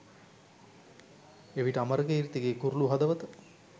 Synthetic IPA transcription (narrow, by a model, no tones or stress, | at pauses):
eʋiʈəaməɾəkəiɾit̪iɡeːkuɾuluɦɐd̪əʋət̪ə